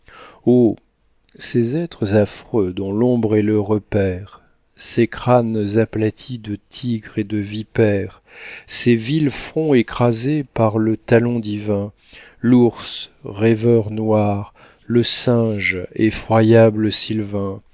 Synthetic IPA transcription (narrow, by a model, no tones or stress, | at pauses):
o | sezɛt̪χəzafχød̪ɔ̃lɔ̃bʁɛləʁəpɛʁ | sekχanzaplat̪ʰid̪ət̪ʰiɡʁed̪əvipɛʁ | sevilfχɔ̃ekχazepaʁlət̪alɔ̃d̪ivɛ̃ | luʁsʁɛvœʁnwaʁ | ləsɛ̃ʒefχwajabləsilvɛ̃